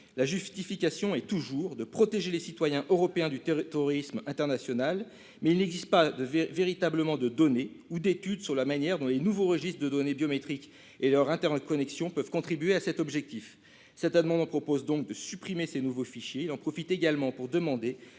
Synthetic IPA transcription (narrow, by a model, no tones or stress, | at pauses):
laʒyst̪ifikʲasjɔ̃ɛt̪uʒuːʁd̪əpχɔt̪eʒelesit̪wajɛ̃ʔøʁɔpeɛ̃d̪yt̪et̪ʁɔʁismɛ̃t̪ɛʁnasjɔnal | mɛilnɛɡzist̪̚pad̪əvveʁit̪abləmɑ̃d̪əd̪ɔneud̪et̪yd̪syʁlamanjɛʁd̪ɔ̃lenuvoʁəʒist̪χd̪əd̪ɔnebjɔmet̪χik | elœʁɛ̃t̪ɛʁnəkɔnɛksjɔ̃pœvkɔ̃t̪χibɥeasɛt̪ɔbʒɛk̚t̪if | sɛt̪amɑ̃d̪ɑpχɔpozd̪ɔ̃k̚d̪əsypχimesenuvofiʃjeilɑ̃pχɔfit̪eɡalmɑ̃puʁd̪əmɑ̃d̪e